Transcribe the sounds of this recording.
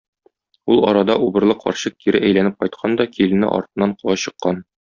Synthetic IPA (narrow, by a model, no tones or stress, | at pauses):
ulˠɒ̰ɾɑd̪ɑʔubɤ̆ɾlˠɤqʰɒ̰ɾɕɤq̚t̪iɾɘʔæjlænɘp̚qɒjt̪̚qʰɑnd̪ɒkʰilɘ̆nɘ̰ʔɒ̰ɾt̪ɤ̆nːɑɴqulˠɑɕɤ̆qːɑn